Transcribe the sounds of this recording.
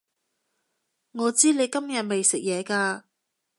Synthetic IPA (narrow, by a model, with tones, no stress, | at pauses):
ŋɔː˨˧t͡siː˥ne˨˧jkɐ˥mjɐ˨t̚me˨jsɪ˨k̚jɛː˨˧kaː˧